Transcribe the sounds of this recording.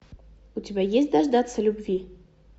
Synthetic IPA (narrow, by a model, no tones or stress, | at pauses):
utʲibʲæjesʲt̚ʲd̪aʐd̪at̪səlʲubvʲi